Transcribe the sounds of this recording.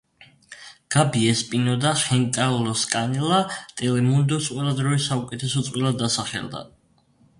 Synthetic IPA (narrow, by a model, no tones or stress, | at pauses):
ɡ̥abiɛspʼinɔd̪aχɛnt̪ʼalɔskʼanɛlat̪ʼɛlɛmund̪ɔtsʼwilˠad̪ɾɔisaukʼɛt̪ʰɛsɔt̪sʼwilˠad̪ːasaχɛ̰ld̪a̰